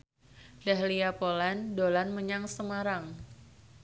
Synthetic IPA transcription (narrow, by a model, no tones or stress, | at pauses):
daɦliapolɛndolanməɲaŋsəmaɾaŋ